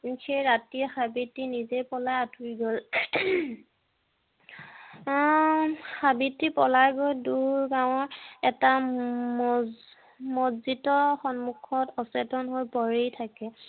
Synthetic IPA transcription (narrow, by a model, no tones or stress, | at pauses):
xejɹatiɛxabitːinizejpɔlajatuɹiɡɔl | xabitːipɔlajɡojduɹɡaw̃ɔɹɛta | mɔzitɔxɔnmukʰɔtɔsɛtɔnɦojpɔɹejtʰakɛ